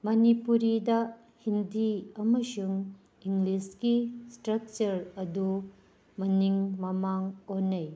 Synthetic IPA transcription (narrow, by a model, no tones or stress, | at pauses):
mɐnipuɾidɐ | hindiɐmɐsuŋ | iŋɡlisɡistɾɐk̚t͡ʃɐɾɐdu | mɐniŋmɐmaŋonːɐj